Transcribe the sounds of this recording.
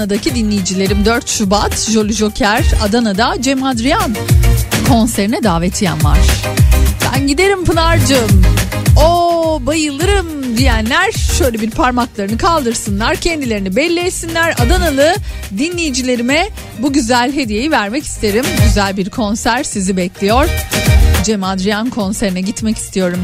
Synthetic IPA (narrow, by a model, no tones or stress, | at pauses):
ad̪acʰid̪inlʲejid͡ʒilʲe̞ɾimd̪øɾt̪ʃubat̪ʒo̞lʲyʒo̞cʰæɾad̪anad̪ad͡ʒɛmad̪ɾijankʰo̞nseɾinɛd̪aːvɛt̪ʰijæ̰nva̰ɾ̥b̥æ̰nɟid̪e̞ɾimpɯnaɾd͡ʒɯmobajɯlˠɯɾɯm | d̪ijænlʲæɾʃø̞jlʲebiɾpʰaɾmaklˠaɾɯnɯkʰalˠd̪ɯɾsɯnlˠaɾcʰɛnd̪ilʲe̞ɾinibɛlʲːejsinlʲæɾa̰d̪analˠɯ | d̪inlʲijid͡ʒilʲe̞ɾimɛ | buɟyzælʲɦe̞d̪ije̞jivæɾmɛci̥st̪ʰe̞ɾimɟyzælʲbiɾkʰo̞nsæɾsizibɛclʲijoɾ̥d͡ʒɛmad̪ɾijankʰo̞nseɾinɛɟit̪mɛci̥st̪ʰijo̞ɾum